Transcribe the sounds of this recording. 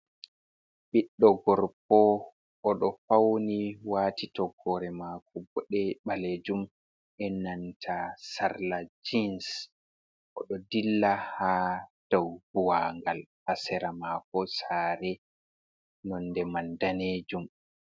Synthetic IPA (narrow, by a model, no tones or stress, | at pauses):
ɓiɗːɔɡɔɾp̚ɔ | ʔːɗɔfawniwaːtitɔɡɔɾɛmakɔbɔɗɛɓaleːd͡ʒum | ʔɛnantʰasaɾlad͡ʒins | ʔɔ̰ɗɔdilːahad̥awbuwaŋɡalhasɛɾamakɔsaːɾɛ | nɔndɛmandaneːd͡ʒum